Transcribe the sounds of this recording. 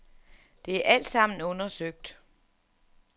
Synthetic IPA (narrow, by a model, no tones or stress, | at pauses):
d̥e̝æɐʔæl̰d̥sɑ̈m̰n̩ɔ̽nɐsøɡ̥̚d̥